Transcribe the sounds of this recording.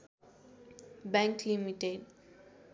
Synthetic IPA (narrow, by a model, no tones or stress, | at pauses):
bɛ̃ŋklimiʈeɖ